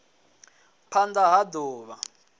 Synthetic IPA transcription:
pʰand͡zaɦadoːβa

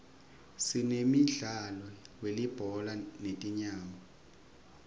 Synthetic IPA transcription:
sinemiɮalɔwelib̥ʱɔlanetʼiɲaːmɔ

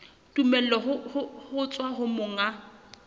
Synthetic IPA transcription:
tʼumɛlɔɦʊhʊhʊt͡sʼwaɦʊmʊŋa

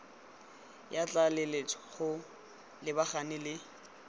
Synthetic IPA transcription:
jat͡ɬʼalelet͡sʰɔ̥χʊ | lɪbaχanɪlɪ

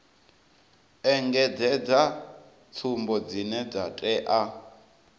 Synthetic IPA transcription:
ɛŋɡɛd͡zɛd͡za | t͡sʰumbɔd͡zinɛd͡zatʼɛʔa

